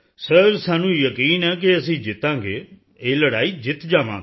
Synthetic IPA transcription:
səɾsaːnũːjəkiːnɛːk̬ɪəsĩːd͡ʒɪt̪ːãːɡeː | eːləɽaːiːd͡ʒɪt̪d͡ʒaːʋã̰ː

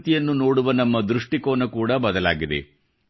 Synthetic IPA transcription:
t̪ijɐnːuno̞ːɽuʋɐnɐmːɐd̪ɾuʂʈikoːnɐkuːɽɐbɐd̪ɐla̰ːɡid̪ḛ

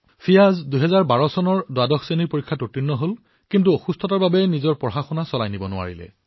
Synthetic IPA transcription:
fʰijazduɦɛzaɹbaɹɔsɔnɔɹdoadɔxseniɹpoɹikʰːatotɹinːɔɦol | kintuoxustʰɔtaɹbabɛnizɔɹpɔɦaxɔnasɔlajnibɔnʊa̰ɹḭlɛ̰

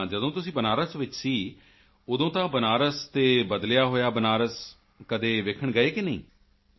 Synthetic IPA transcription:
d͡ʒəd̪õːt̪ʊsĩːbənaːɾəsʋɪt͡ʃsiː | ʊd̪õːt̪ãːbənaːɾəst̪eːbəd̪lɪjaːɦoːjaːbənaːɾəs | kəd̪eːʋekʰəɳɡəeːkɪnəḭ̃ː

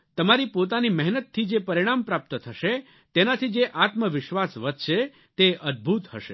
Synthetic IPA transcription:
t̪əmaɾipot̪̬animɛɦnət̪ʰːid͡ʒepəɾiɽ̃ampɾap̚t̪ət̪ʰəʃe | t̪enat̪ʰid͡ʒeʔat̪məʋɪʃʋasʋəd̪̚ʃe | t̪eəd̪̚bʱut̪hə̰ʃe

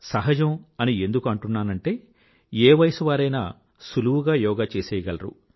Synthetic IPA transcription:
sɐɦɐd͡ʒɐmɐnie̞nd̪ukuɐɳʈunːaːnɐɳʈe̞ː | eːʋɐjɐsuʋaːɾɐjna̰ | suluwuɡaːjɔːɡaːt͡ʃeːsɛːjɐɡɐlɐɾṵ

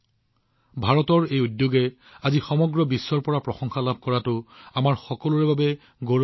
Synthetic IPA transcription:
bʱaɹɔtɔɹejudjoɡɛ | azixɔmɔɡɹɔbisːɔɹpɔɹapɹɔxɔŋxalab̚ʱkɔɹatʊamaɹxɔkɔlʊɹɛbʱabɛ | ɡo

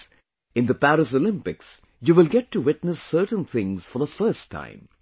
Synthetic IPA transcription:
ɪ̃nd̪əpæɾɨsolɪ̃mpɪks | juʋɪlˠɡɛtʰːuwɪtnəsːə˞ʈə̃nθɪ̃ŋz̥fəðəfɜ˞stʰːã̰ɪ̃m

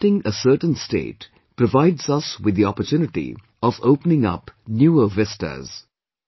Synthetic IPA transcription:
ʈɪ̃ŋəsəːʈə̃n̩sʈḛːʈ | pɾəvaɪɖzʌswɪd̪ːiɔpəɾtjuːnɪʈḭ | ɔvoʊpənɪ̃ŋʌ̰pnjuːəvɛsʈə̰z̥

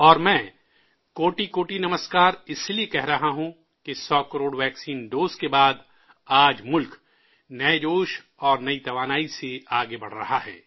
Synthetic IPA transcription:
ɔːɾmɛ̃ː | koːʈikoːʈinɐməskaːɾɪsliekɛɦɾɐɦaɦũ | kesɔːkɐɾoːɽʋɛːksiːnɖoːzkebaːd̪ | aːd͡ʒmʊlk | nɐd͡ʒoːʃ | ɔːɾnɐit̪ɐʋaːnaːiseaːɡebɐɽ̤ɾɐɦaɦɛː

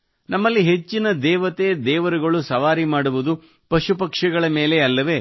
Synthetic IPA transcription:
nɐmːɐlːiɦe̞t͡ʃːinɐd̪ɛːʋɐt̪ed̪ɛːʋɐɾuɡɐɭusɐʋaːɾimaːɽuʋud̪u | pɐʃupɐkʂɐɡɐɭɐme̞ːle̞ɐlːɐʋe̞

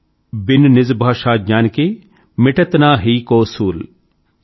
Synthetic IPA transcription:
bɪnnɪzbʱaːʃaːd͡ʒaːnkeː | mɪʈɐt̪naːɦiːkoːsuːl

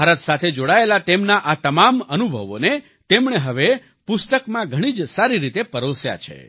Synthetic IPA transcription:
aɾət̪sat̪ʰed͡ʒoɽaelat̪emnaʔat̪əmamənubʱə̰ʋo̰ne | t̪emɳeɦəʋe | pʊst̪əkmãɡʱəɽ̃id͡ʒsaɾiɾit̪epəɾosja̰t͡ʃʰḛ

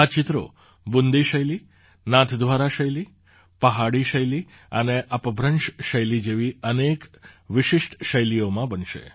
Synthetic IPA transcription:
at͡ʃɪt̪ɾo̰ | bund̪iʃəjli | nãt̪ʰd̪ʱʋaɾaʃəjli | pəɦaɽiʃəjli | əneʔəpəbʱɾənʃʃəjlid͡ʒeʋiənekʋɪʃɪʃʈʃəjlijomãbənʃḛ

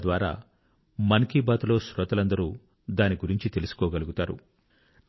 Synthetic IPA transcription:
d̪ʋaːɾa̰ː | mɐnkiːbaːt̪ulo̞ːʃɾɔt̪ɐlɐnd̪ɐɾuː | d̪aːniɡuɾiɲt͡ʃit̪e̞lusu̥kɔːɡɐluɡut̪aːɾṵ

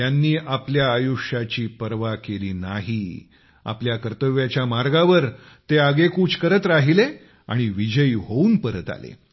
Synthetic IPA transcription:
janːiːʔapljaːjuʂjat͡ɕiːpəɾʋakeliːnaɦi | a̰pljakəɾt̪əʋjat͡ɕjamaɾɡaʋəɾ | t̪eaɡekuːt͡skəɾət̪ɾaɦile | a̰ɽ̃iʋid͡ʑəjɦouːnpəɾət̪a̰lḛ

